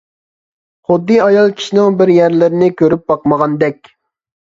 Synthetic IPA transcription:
χʊd̪ːɨɑjɑlˠkʲʰi̥ʃinɪŋbɪɾjæɾlɪɾɪnɪkʲøɾyp̚bɑqməʁɑnd̪ɛkʲ

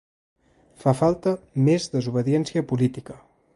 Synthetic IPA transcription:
fafalˠt̪əmezðəzuβ̞əðiɛnsiəpulit̪ikə

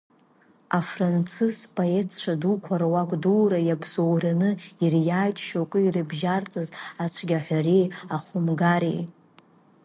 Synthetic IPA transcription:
afrant͡sʰɨspʼoetʰt͡ʃʷʰadukʷʰarwakʷʼduːɾajabzowranɨirjaːjtʰʼʃokʼɨirɨbʒart͡sʼɨzat͡ʃʷʰɡʲaħʷarejaχʊmɡaɾḛj

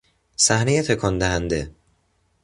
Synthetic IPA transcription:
sæhnejet̪ʰekʰɒnd̪æhænd̪e

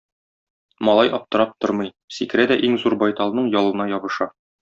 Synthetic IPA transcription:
mɒlˠɑjʔɒp̚t̪ɤ̆ɾɑp̚t̪oɾmɤ̆j | sikɘ̆ɾæd̪æʔiŋzuɾbɒjt̪ɑlˠnɤɴjɒlˠɤ̆nɑjɒbɤ̆ʃɑ

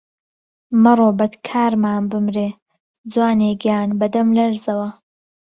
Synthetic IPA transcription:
mɨrˤoːbɐt̪kʰaːɾmaːnbɨmɾeː | d͡zwaːneːkjaːnbɐd̪ɐmlɐɾzɐwɐ

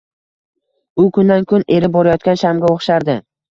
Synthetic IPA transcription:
ʊkʰʊnd̪ankʰʊne̞ɾɪbɒɾajɒt̪̚kʲanʃamɡʲaoχʃaɾd̪ɪ

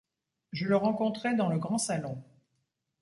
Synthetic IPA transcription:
ʒələʁɑ̃kɔ̃t̪χɛd̪ɑ̃ləɡʁɑ̃salɔ̃

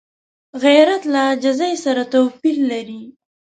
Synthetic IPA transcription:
ɣajɾat̪lad͡ʒazajsaɾat̪awpillaɾi

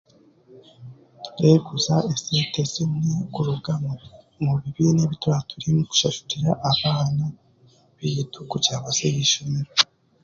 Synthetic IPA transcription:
ɾeːɡuzaesetesinikuɾuɡa | muβiβineβitwaːtʰuɾimuku̥ʃaʃu̥ɾiɾaʔaβaːna | βitukucaːβasejiʃumiɾo

